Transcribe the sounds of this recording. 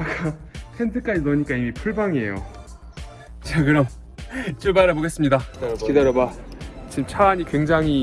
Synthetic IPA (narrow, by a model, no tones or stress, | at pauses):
ak͈apʰendʰɯk͈aisʌɲik͈aimipʰuɭbaŋiḛjo̰ | t͡ɕakɯɾʌm | t͡ɕ͈uɭbaɾaboɡe̞s͈ɯmɲidakideɾʌbat͡ɕimt͡ɕʰaːɲikweŋd͡ʑaŋɦi